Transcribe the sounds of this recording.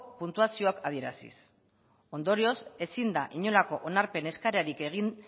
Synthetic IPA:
punt̪uasio̞akaðie̞ɾasḭs | o̞nd̪o̞ɾio̞se̞sind̪aʔiɲo̞lako̞ʔonaɾpe̞ne̞skaɾaɾike̞ɣ̞in

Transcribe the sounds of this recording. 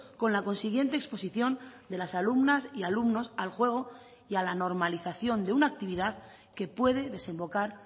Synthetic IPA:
ko̞nlako̞nsiɣje̞nt̪eːkspo̞siθjo̞nd̪e̞lasalumnasialumno̞salxwe̞ɣ̞o̞ | ialano̞ɾmaliθaθjo̞nd̪e̞unaːk̚t̪iβ̞iðað | ke̞pwe̞ðe̞ðe̞sẽ̞mbo̞kaɾ

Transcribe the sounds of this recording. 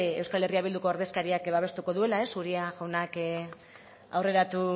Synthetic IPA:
e̞wskale̞riaβild̪uko̞aɾðe̞skaɾiakβaβ̞e̞st̪uko̞ðue̞lae̞suɾiaʝawnak | a̰wre̞ɾat̪u

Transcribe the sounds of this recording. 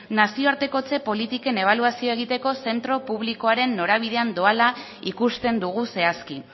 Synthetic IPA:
nasio̞aɾt̪e̞ko̞t͡se̞po̞lit̪ike̞ne̞β̞aluasio̞e̞ɣ̞it̪e̞ko̞se̞nt̪ɾo̞puβ̞liko̞aɾe̞nːo̞ɾaβ̞ið̞e̞and̪o̞ala | ikust̪e̞nd̪uɣ̞use̞aski

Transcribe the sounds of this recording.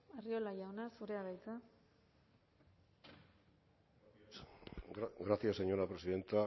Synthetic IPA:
ario̞lajawnasuɾe̞aβajt͡s̪a | ɣɾasiaseɲonapɾesiðe̞nt̪a

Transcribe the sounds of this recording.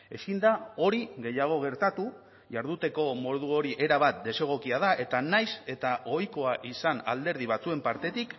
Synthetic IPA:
e̞skind̪ao̞ɾiɣe̞jaɣ̞o̞ɣ̞e̞ɾt̪at̪u | ʝaɾð̞ut̪e̞ko̞mo̞ð̞uo̞ɾiʔe̞ɾaβat̪̚d̪e̞se̞ɣ̞o̞kiaðaʔe̞t̪anajse̞t̪aʔo̞jko̞aʔisana̰ld̪e̞ɾð̞iβ̞at͡sue̞mpaɾt̪e̞t̪ik

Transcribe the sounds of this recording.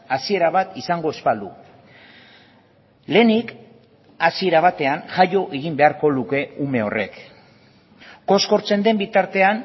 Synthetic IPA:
asie̞ɾaβ̞at̪isaŋɡo̞e̞spald̪ṵ | le̞nik | asie̞ɾaβ̞at̪e̞anʝajo̞ʔeɣimbe̞aɾko̞luke̞ume̞o̞re̞̰k | ko̞sko̞ɾt͡se̞nd̪e̞mbit̪aɾt̪e̞an

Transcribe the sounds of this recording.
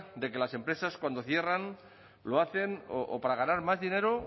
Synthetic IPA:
d̪e̞ke̞lase̞mpɾe̞saskwand̪oθje̞ran | loaθe̞no̰ʔo̰paɾaɣ̞anaɾmazðine̞ɾo

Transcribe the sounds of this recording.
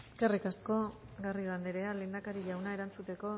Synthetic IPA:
eske̞rikasko̞ | ɡariɣ̞and̪eɾe̞ale̞ːnd̪akaɾiʎawnae̞ɾant͡sut̪e̞ko̞

